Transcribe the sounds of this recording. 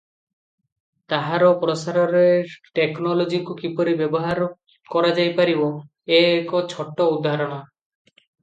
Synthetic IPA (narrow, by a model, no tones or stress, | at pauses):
t̪aɦaɾɔpɾɔsaɾɔɾeʈeknɔlod͡ʒikukipɔɾibebɔɦaɾ | kɔɾad͡ʒajpaɾibo | eːkot͡ʃʰɔʈːoud̪ʱːaɦaɾɔɽ̃a